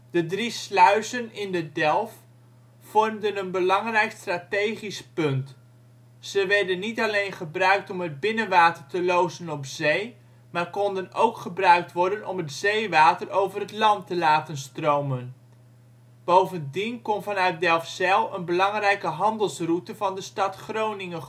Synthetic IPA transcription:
d̥ədrislœɥsənɪndədɛlˠf | fɔrmdənənbəlɑŋrɛjkstraːtejχispɵnt | z̥əʋɛɹdənːitɑlejnχəbrœɥk̚tɔmɦəd̚bɪnənʋaːtərtəlowzənɔpz̥ej | maːɹkɔndənowkχəbrœɥk̚tʋɔɹdənɔ̰mətz̥ejʋaːtərʔowvərɦətlɑntəlaːtənstrowmən | b̥owvəndinkɔnvɑnœɥt̚dɛlˠfsɛlˠənbəlɑŋrɛjkəɦɑndəlˠsrutəvɑndəstɑtχrownɪŋə

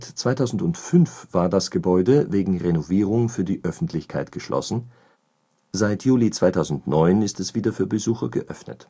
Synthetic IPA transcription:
tt͡sv̥aɪtʰaʊzn̩dʊntfʏnfv̥aːɐdasɡ̥əbɔʏdəveːɡŋ̩ʁenoviːʁ̞ʊŋfyːɐdiːʔœfn̩tʰlɪçkʰaɪtɡ̥əʃlʔɔ̰sn̩ | zaɪtʰjuːlit͡sv̥aɪtʰaʊzn̩tnɔʏnɪstɛsv̥iːdɐfyːɐbəzuːxɐɡəʔœfnə̰t

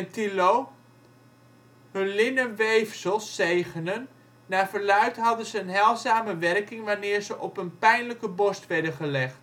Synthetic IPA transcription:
ɛntiloː | hønlɪnənʋejfsəlˠsːejɣənənː | aːfərlœɥtɦɑdənzəənɦɛlˠzaːməʋɛrkɪŋʋanɪːrzəʔɔpənpɛjnləkəbɔstʋɛrdəχəlɛχt

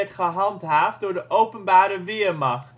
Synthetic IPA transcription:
ɛtχəɦɑntɦaːf̚dʊːɹdəʔowpənbaːɾəʋɪːɹmɑχt

